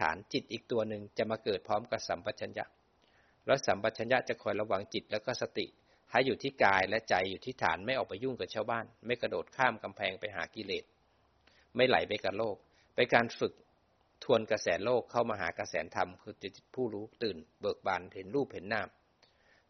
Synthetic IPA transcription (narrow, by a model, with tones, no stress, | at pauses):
a̰ː˩˦nt͡ɕi˨˩t̪̚ʔiː˨˩k̚t̪u˧ɐnɯ˨˧ŋt͡ɕa˨˩maː˧kɤː˨˩t̪̚pʰɔː˦˥mka˨˧˩p̚sa˨˩˦mba˨˧t̪̚t͡ɕʰa˧nja̰˦˥ʔ | lɛ˦˥sa˩˦mba˨˧t̪̚t͡ɕʰa˧nja˦˥t͡ɕa˨˩kʰɔː˧˩jla˧wa˧ŋt͡ɕi˨˩t̪̚lɛː˦˥kɔː˥˩sa˧t̪ḭ˨˩ʔ | hʰa˦˧˩jːuː˨˩t̪ʰiː˥˩kaː˧jlɛ˦˥ʔt͡ɕa˧˩jːuː˨˩t̪ʰiː˥˩t̪ʰa̰ː˩˦nma˥˩jʔɔː˨˩k̚pa˧jːu˥˩ŋka˨˩t͡ɕʰaː˥˩wbaː˥˩nma˥˩jka˧doː˨˩t̪̚kʰaː˥˩mka˧mpʰɛː˧ŋpa˧jɦa̰ː˩˦ki˧leː˨˩t̪̚ | ma˥˩jla̰˨˩˦jpa˧jka˨˩loː˥˩k̚ | pa˧jkaː˧nfɯ˨˩k̚ | t̪ʰu˧ənka˧sɛː˩˦loː˥˩kʰːa˥˩wmaː˧ɦaː˩˦ka˧sɛː˩˦nt̪ʰa˧mkʰɯː˧i˧˩pʰuː˥˩ɾuː˦˥t̪ɯː˨˩nbɤː˨˩k̚baː˧˩nhe˨˩˦nɾuː˥˩p̚he˩˦nːaː˧˥˩m